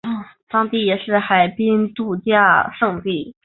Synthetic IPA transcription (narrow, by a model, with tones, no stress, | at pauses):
t̪ɑ˥ŋt̪i˥˩jɛ˨˩ʂɻ̩˥˩xa˨˩ɪpi˥ŋt̪u˥˧t͡ɕja˥˩ʂɤ˥˧ŋt̪i˥˩